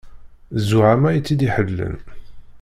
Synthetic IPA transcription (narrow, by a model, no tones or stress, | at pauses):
zuʕamæjət͡sːid̪iħəlːə̰n